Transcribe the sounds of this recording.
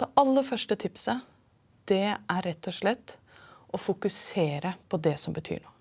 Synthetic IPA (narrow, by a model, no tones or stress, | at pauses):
d̪̥ɛʔɑlːəɾfœʂʈət̪ʰɪpsə | d̪̥ɛæɾɛt̪ːɔʂɭɛt̪ː | ʔɔfʊkʉseːɾəpʰɔd̪ɛsɔmbət̪ʰy̰ːɳo̰ː